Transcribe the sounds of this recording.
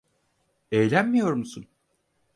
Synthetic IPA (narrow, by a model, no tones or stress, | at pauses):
ejlʲænmijo̞ɾmusun